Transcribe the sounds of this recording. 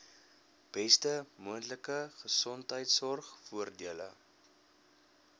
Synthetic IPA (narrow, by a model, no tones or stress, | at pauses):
b̥ɛstəmuəntləkəχəsɔntɦəjtsɔrχfuərdiələ̰